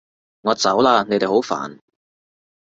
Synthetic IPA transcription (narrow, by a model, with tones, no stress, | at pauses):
ŋɔː˨˧t͡sɐ˨˥wlaː˧ne˨˧jt̪e˨jho˨˥wfa̰ː˨˩n